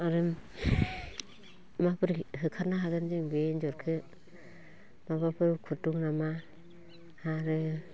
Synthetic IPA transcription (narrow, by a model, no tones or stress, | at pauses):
aɾɯm | mapɯɾɦɯkʰaɾnaɦaɡɯnd͡ʒɯŋbend͡ʒɔɾkʰɯ | mabapʰɯɾkʰutuŋnama | haɾɯ